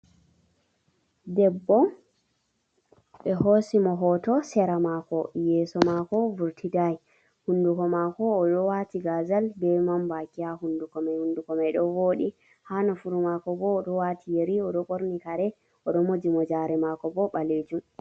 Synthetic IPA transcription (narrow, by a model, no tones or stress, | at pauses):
dɛbːɔ | ɓɛhɦosimɔɦɔtɔsɛɾamakɔjɛːsɔmakɔvuɾtʰidaj | hunːdukɔmakɔːɗɔwatiɡazalbɛmambakiahundukɔmɛjhundukɔmɛjɗɔwoːɗi | hanɔfuɾumakɔbɔːɗɔwatʰijeɾiɔɗɔkoɾnikaɾɛ | ɔɗɔmod͡ʒimɔd͡ʒaɾɛmakɔbɔɓaled͡ʒum